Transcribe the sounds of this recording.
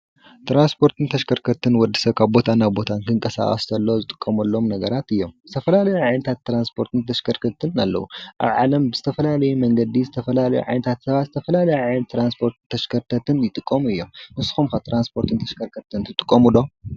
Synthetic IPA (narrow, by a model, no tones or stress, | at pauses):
t̪ɾanspʰo̞ɾt̪ʰɨnt̪ʰɐʃkʰɐɾkʰɐt̪ʰɨnwɔd̪ːisɐβkʰaβbo̞t̪ʰanaβbo̞t̪ʰankʰɨŋkʼɐsa̰χʼɐ̰st̪ʰɐlːozɨt̪ʼɨ̥kʼːɐmɐlːo̞mnɐɡɐɾat̪ɨjːo̞mzɨt̪ʰɐfɐlalɐjuʕanɐt̪ʰat̪ːɾanspʰo̞ɾt̪ʰɨnt̪ʰɐʃkʰɐɾkʰɐt̪ʰɨna̰lːɐ̰wuʔa̰βʕa̰lɐmbɨzɨt̪ʰɐfɐlalɐjumɐŋɡɐd̪izɨt̪ʰɐfɐlalɐjṵʕa̰jnɐt̪ʰat̪sɐβat̪zɨt̪ʰɐfɐlalɐjuʕajnɐt̪ʰːɾanspʰo̞ɾt̪t̪ʰːɐʃkʰɐɾt̪ʰɐt̪ʰɨnjɪt̪ʼɨkʼːɐmuɨjːo̞mmɨsɨ̥xumkat̪ʰɾanspʰo̞ɾt̪ʰɨnt̪ʰɐʃkʰɐɾkʰɐt̪ɨnt̪ʰɨt̪ʼɨkʼːɐmulo